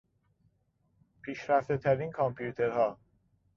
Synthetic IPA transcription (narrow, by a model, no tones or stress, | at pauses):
pʰiːʃɾæft̪et̪ʰæɾiːnkʰɒmpʰjuːt̪ʰe̞ɾhɒː